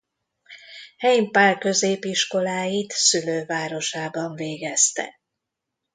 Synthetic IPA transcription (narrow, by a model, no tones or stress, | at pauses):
hɛjimpaːrkø̞zeːpiʃko̞laːjit̪syløːvaːɾo̞ʃaːbɒɱveːɡɛst̪ɛ̰